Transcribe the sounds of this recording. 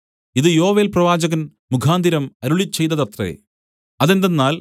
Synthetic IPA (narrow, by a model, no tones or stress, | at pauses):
iðɨjo̞ːʋe̞ːlprɐʋaːd͡ʑɐɣɐn | mukʰaːnd̪iɾɐmɐɾuɭit͡ɕːe̞jt̪ːɐðɐt̪rḛ | ɐðend̪enːaːl